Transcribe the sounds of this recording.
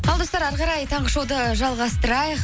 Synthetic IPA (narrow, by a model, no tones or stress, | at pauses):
ɑlˠd̪o̞st̪ɑɾɑɾʁɑɾɑjt̪ʰɑɴʁəʃowd̪əʒɑlˠʁɑst̪əɾɑjəq